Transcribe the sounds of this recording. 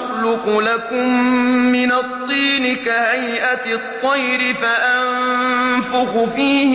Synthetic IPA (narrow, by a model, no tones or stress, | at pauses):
lʊqʊlakʊmːɪnat̪ˤːiːnɪkahajʔat̪t̪ˤːɑjɾɪfaʔanfʊxʊfiːh